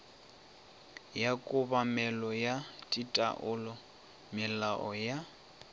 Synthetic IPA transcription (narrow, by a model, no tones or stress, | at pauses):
jakʼʊbamɛlɔjatʼitʼa̰ʔʊlɔ | mɪlaʔɔja